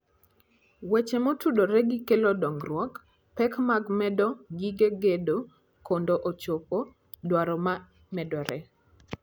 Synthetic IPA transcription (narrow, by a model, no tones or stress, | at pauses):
wet͡ʃemotudoɾɛɡɪkelodɔŋrwɔk | pɛkmaɡmɛdɔɡiɡeɡedo | kondoʔot͡ʃopo | dwaɾɔma | mɛdɔɾɛ